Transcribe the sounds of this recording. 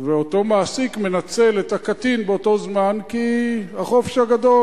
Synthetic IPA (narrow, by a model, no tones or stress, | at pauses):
veoto̞maːsikme̞nat͡se̞let̪akatinbeoto̞zmankihaχo̞feʃhaɡado